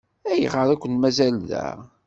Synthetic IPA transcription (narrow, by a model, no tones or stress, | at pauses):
æjə̰ʁəɾˤækʷːənmæzælðæ̰